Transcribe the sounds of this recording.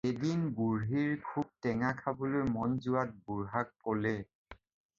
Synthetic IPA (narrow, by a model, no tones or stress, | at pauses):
edinbuɹɦiɹkʰub̚tɛŋakʰabolojmɔnzʊat̚buɹɦak̚kolɛ